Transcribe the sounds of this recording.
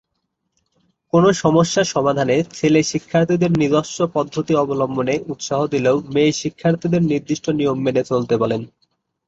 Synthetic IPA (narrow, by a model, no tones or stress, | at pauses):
konoʃɔmoʃːaʃɔmad̪ʱanet͡ɕʰeleʃikʰːaɾt̪ʰid̪eɾnid̪oʃːopɔd̪ʱːot̪iɔbolomboneʔut̪ʃaɦod̪ileomeʃikʰːaɾt̪ʰid̪eɾniɾd̪iʃʈʰonijomːenet͡ɕolt̪epalen